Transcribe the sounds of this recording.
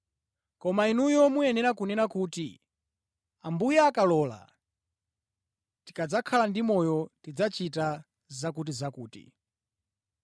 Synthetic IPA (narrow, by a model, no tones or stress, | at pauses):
kɔmainujɔmuɛnɛɾakunɛnakutḭ | ambujaːkalɔːla̰ | ti̥kad͡zakʰalandimɔjɔtid͡zat͡ʃita | zakut̬izakuːtḭ